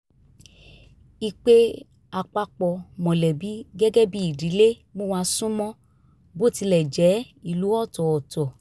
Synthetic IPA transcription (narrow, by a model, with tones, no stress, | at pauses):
i˧k͡pe˦ | a˧k͡pa˧k͡pɔ˧˨mɔ̃˨lɛ˨bi˨˦ɡɛ˦ɡɛ˦bi˦i˦˨di˨˦le˦ | mo˦wa˧sũ˦mɔ̃˦ | bo˦˨ti˧lɛ˨d͡ʒɛ˨˦ | i˦˨lu˨˦ɔ˦˨tɔ˨ɔ˨tɔ˨